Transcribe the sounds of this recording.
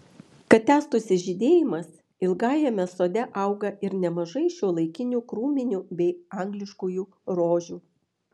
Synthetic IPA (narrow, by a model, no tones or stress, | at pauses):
kɐt̪̚t̪ʲæːst̪ʊsʲɪʒʲɪd̪ʲeːjɪmɐs | ɪlˠɡɑːjɛmʲɛsoːd̪ʲɛʔɐˑʊɡɐɪɾnʲɛmɐʒɐɪʃʲuːlˠɐɪkʲɪnʲuːkɾuːmʲɪnʲuːbʲɛɪɑŋɡlʲɪʃkuːjuː | ɾoːʒʲuː